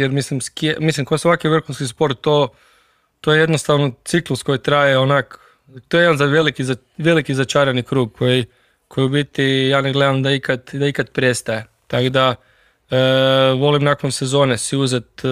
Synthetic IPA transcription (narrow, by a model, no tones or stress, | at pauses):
jeɾmislimskiemislimkojesʋakiʋr̩xunskispo̞ɾt̪̚t̪ːo | t̪ojeje̞d̪nost̪aʋnot̪siklusko̞jit̪ɾajeonak | t̪ojed̪anzaʋelikiza | ʋe̞likizat͡ʃaɾanikɾuːɡ̚kʰo̞ji | kʰo̞jiubit̪ijaːneɡle̞d̪amd̪aikad̪d̪aikad̪pɾe̞st̪aje | t̪akod̪a | ʋo̞limnakonsezo̞ːnesiuzet̪